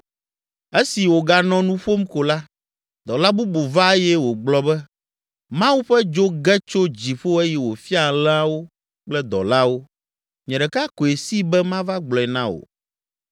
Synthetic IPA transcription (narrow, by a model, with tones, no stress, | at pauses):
e˦si˨wo˨ɡa˨nɔ̃˨nũ˦ɸo˦m˦ko˨la˦ | d̪ɔ˨la˦bu˦bo˨va˦e˦jɛ˦wo˨ɡ͡blɔ˦bɛ˦ | mã˦wu˦ɸɛ˦d͡ʒo˦ɡɛ˦t͡ʃo˦d͡ʑi˨ɸo˦e˦jɛ˨wo˨fi˦a˨lɛ̃˦a˦wo˦ | k͡plɛ˦d̪ɔ̰˨la˦wo˦ | ɲɛ̃˨ɖɛ˨ka˦ko˨e˨si˦bɛ˦mã˦va˦ɡ͡blɔ˨ɛ˨nã˦wo̰˨